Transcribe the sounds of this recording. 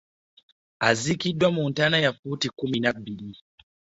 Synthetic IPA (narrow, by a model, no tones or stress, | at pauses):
azikiɗwamuːntanajafutikuminabili